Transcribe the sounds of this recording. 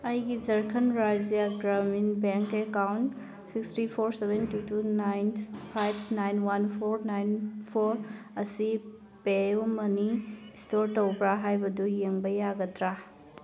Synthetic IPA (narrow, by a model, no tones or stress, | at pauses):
ɐjɡizɐɾkʰɐnɾazijaɡɾaminbeŋkekawnt | sikstʰɾipʰoɾsebentutunajnpʰajb̚ʰnajnwanpʰoɾnajnpʰoɾ | ɐsi | peumɐnistoɾtowbɾaɦajbɐdujeŋbɐjːaɡɐtɾa